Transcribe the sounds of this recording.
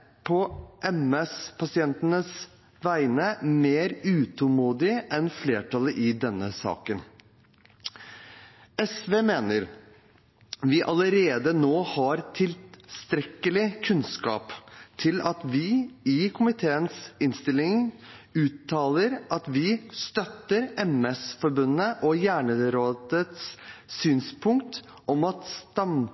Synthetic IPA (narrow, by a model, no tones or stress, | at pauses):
pʰɔʔɛmɛspʰɑsɪɛnt̪ənəs | ʋæɪnəmeːɾʉːt̪ʰʊmuːd̪ɪʔɛnfleːʈʰɑləʔɪd̪ɛnːəsɑ̰ːkən | ɛsʋeːmeːnəɾ | ʋɪʔɑləɾeːd̪ənoːhɑɾt̪ʰɪlst̪ɾɛkəlɪkʰʉnskɑ̰ːpt̪ʰɪlɑt̪ʋɪɪkʰʊmɪt̪ʰeːənsɪnst̪ɪlːɪŋʉːt̪ːɑːləɾʔɑt̪ʋɪst̪œt̪ːəɾɛmɛsfɔɾbʉnəʔɔjæːɳəɾoːd̪ət̪ssyːnspʰʊŋkt̪ | ʔɔmɑt̪st̪ɑm